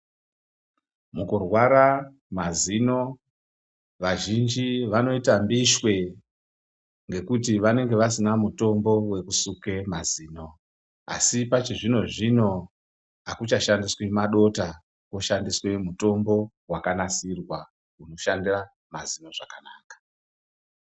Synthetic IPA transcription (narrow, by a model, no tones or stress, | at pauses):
mukurwaɾa | mazino̞ | ʋaʒind͡ʒiʋano̞itambiʃwe̞ | ŋɡe̞kutiʋane̞ŋɡe̞ʋasinamuto̞mbo̞we̞kusukemaziːno̞ | a̰sipat͡ʃiʐino̞ʐino̞ | ɦakut͡ʃaʃandiswemaɗo̞ta | koʃandiswemuto̞mbo̞ | wakanasirwa | uno̞ʃandira | mazino̞ʐakanaːkḁ